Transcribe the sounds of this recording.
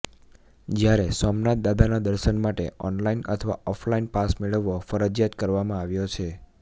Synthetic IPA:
d͡ʒjaɾesɔmnat̪̚d̪ad̪ʱanad̪əɾʃənmaʈḛɔnlainə̰t̪ʰəʋa̰ɔflainpasmeɭəʋːofəɾəd͡ʒjat̪kəɾʋamãaʋjot͡ʃʰe

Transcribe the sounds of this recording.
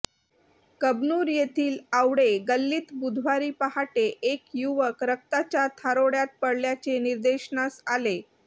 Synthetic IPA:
kəbnuːɾjet̪ʰiːlawɽeɡəlːiːt̪bud̪ʱʋaɾiːpaɦaʈeʔekjuʋəkɾək̚t̪at͡ɕjat̪ʰaɾoɽjat̪̚pəɽljat͡seniɾd̪eɕnasale

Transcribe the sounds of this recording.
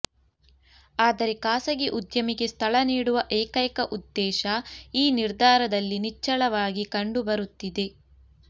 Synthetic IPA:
aːd̪ɐɾekaːsɐɡeʔud̪jɐmiɡe̞st̪ʰɐɭɐniːɽuʋɐʔɛːkɐjkɐʔud̪ːɛːʃɐiːniɾd̪ʱaːɾɐd̪ɐlːinit͡ʃːɐɭɐʋaːɡikɐɳɖubɐɾut̪ːid̪e̞

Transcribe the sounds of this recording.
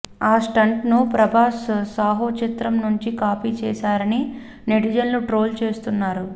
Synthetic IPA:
aːsʈɐɳʈnupɾɐbʱaːssaːɦot͡ʃit̪ɾɐmnuɲt͡ʃikaːpiːt͡ʃɛːʃaːɾɐni | neʈid͡ʒɐnluʈɾo̞ːlt͡ʃe̞ːst̪unːaːɾu

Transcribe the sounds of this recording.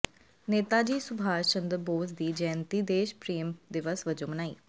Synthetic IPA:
neːt̪aːd͡ʒiːsʊbʱaːʃənd̪əɾboːzd̪iːd͡ʒɛːnt̪iːd̪eːʃpɾiːmd̪ɪʋəsʋəd͡ʒõːmənaːḭː

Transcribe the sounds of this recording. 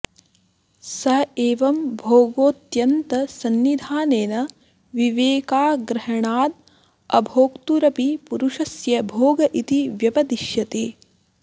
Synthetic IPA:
sɐɦeːʋɐmbʱoːɡoːt̪jɐnt̪ɐsɐnːid̪ʱaːneːnɐ | ʋiʋeːkaːɡɾɐɦɐɳaːd̪̚ | ɐbʱoːkt̪uɾɐpipuɾuʃɐsjɐbʱoːɡɐʔit̪iʋjɐpɐd̪iʃjɐt̪eː

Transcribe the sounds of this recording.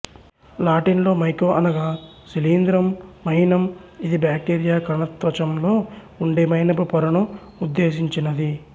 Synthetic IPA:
laːʈinlo̞ːmɐjkoːʔɐnɐɡaː | siliːnd̪ɾɐmːɐɦinɐmid̪ibjaːk̚ʈeːɾijaːkɐɾɐɳɐt̪ʋɐt͡ʃɐmlo̞ː | uɳɖemɐɦinɐpupɔɾɐɳɐ | ud̪ːe̞ːsiɲt͡ʃinɐd̪i

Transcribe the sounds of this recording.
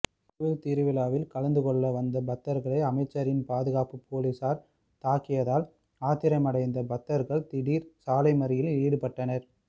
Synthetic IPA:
ʊʋɪlt̪ɪɾɯʋɪlaːʋɪlkɐlɐnd̪ɯkɔɭːɐʋɐnd̪ɐbɐt̪ːɐɾɣɐɭɐɪɐmɐɪt͡ʃːɐɾɪnpaːðɯɣaːpɯpʰoːlisaːɾ | t̪aːkːɪjɐðaːl | aːt̪ɪɾɐmɐɽɐɪnd̪ɐbɐt̪ːɐɾɣɐɭt̪ɪɽiːɾsaːlɐɪmɐɾɪjɪliːɽɯpɐʈːɐnɐɾ

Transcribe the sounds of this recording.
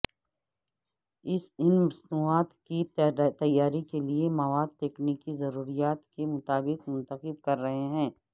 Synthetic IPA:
ɪsɪnmɐsnuːaːt̪kit̪ɐjːaːɾikeliemɐʋaːd̪̚t̪eːknekizɐɾuːɾijaːt̪kemʊt̪aːbɪqmʊ̃nt̪əqɪb̚kɐɾːɐɦeɦɛ̃ː

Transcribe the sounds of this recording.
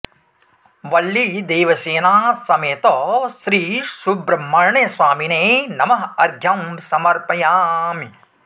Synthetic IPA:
ʋɐlːid̪eːʋɐseːnaːsɐmeːt̪oːʃɾiːsubɾɐmːɐɾɐɳeːsʋaːmineːnɐmɐɦɐɾɡʱjɐmsɐmɐɾpɐjaːmi

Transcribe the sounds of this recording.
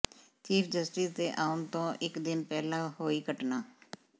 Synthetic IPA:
t͡ʃiːpʰd͡ʒəsʈɪsd̪eːʔaːʊnt̪õːʔɪkd̪ɪnpɛːlãːɦoːiːkəʈnaː

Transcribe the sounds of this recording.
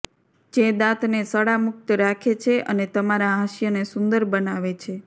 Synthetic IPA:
d͡ʒed̪ãt̪nesəɽamʊk̚t̪əɾakʰet͡ʃʰeʔənet̪əmaɾaɦaʃjənesʊnd̪əɾbənaʋet͡ʃʰe

